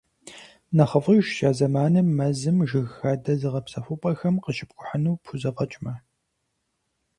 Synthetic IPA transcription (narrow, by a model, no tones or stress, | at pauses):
nɐχəvʁiʃʃaːzɐmaːnɨmːɐzɨmʒɨɣxɐdɐzɨʁɐpsɐfʷʊpʼɐxɐmqəʃɪ̥p̚kʷʼʊħɐnuːpʰʊzɐqɐt͡ʃʼmɐ